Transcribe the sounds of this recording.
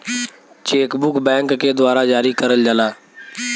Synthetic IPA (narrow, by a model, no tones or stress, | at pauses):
t͡ʃeːkbʊkbɛ̃ːŋkːed̪ʊwaːɾad͡ʒaːɾikəɾəld͡ʒəlaː